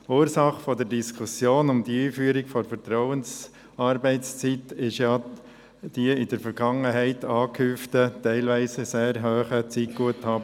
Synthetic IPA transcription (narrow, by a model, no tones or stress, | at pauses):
uːɾsɑχfɔdəɾdiskʰusjoːnʊmd̪iiːfyːəɾɪɡ̥fɔɾfəɾtɾɔʊəns | ɑɾbɛɪtst͡sitɪʃjɑ | d̥iəɪdəɾfəɾɡ̥ɑŋəɦɛɪtʰɑːkʰymftətɛɪlʋiɪsəseːɾɦœːχət͡sit̚ɡ̥uəthɑː